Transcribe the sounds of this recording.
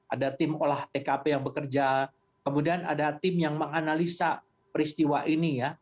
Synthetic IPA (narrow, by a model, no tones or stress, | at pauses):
ʔadat̪ɪmolaht̪ekapejaŋbəkərd͡ʒa | kəmudiana̰dat̪ɪmjaŋməŋanalisa | pəɾist̪iwaʔinija